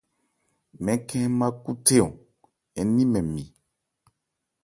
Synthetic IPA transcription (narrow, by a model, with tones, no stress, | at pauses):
mɛ̃˨kʰɛ̃˦mã˦ku˦t̪e˦õ˨ | ɛ˨nĩ˦mɛ̃˨mĩ˨